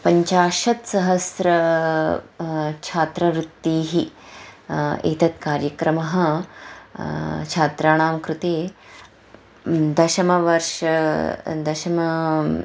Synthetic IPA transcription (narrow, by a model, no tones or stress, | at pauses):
pɐɲt͡ʃaːʃɐt̪sɐɦɐsɾɐ | t͡ʃʰaːt̪ɾɐʋɾut̪ːiːɦi | ḛːt̪ɐt̪̚kaːɾjɐkɾɐmɐɦɐ̆ | t͡ʃʰaːt̪ɾaːɳ̃aːmkɾut̪eː | d̪ɐʃɐmɐʋɐɾʃɐd̪ɐʃɐmɐ